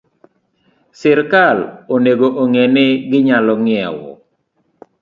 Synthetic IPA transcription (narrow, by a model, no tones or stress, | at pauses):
sɪɾkaloneɡoʔoŋɛneɡɪɲalɔŋɪɛ̰wɔ̰